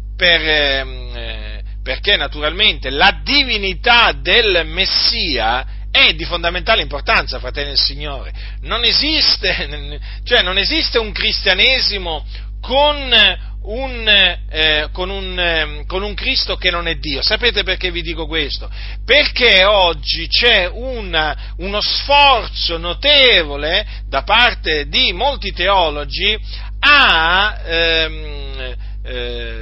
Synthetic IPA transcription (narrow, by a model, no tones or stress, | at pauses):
per | perkenːat̪uɾalment̪elad̪ivinit̪ad̪elmesːiːa | ɛd̪ifond̪amẽnt̪aːleimport̪ant̪safɾat̪ɛlːinelsiɲːoːɾe | nonezist̪e | t͡ʃoɛnːonezist̪euŋkɾist̪janeːzimo | kon | un | konun | konuŋkɾist̪okenːonɛd̪ːiːosapeːt̪eperkevːid̪iːkokwest̪o | perkeɔd͡ʒːit͡ʃɛuna | unosfɔrt̪sonot̪eːvole | d̪apart̪ed̪imolt̪it̪eɔːlod͡ʒi | a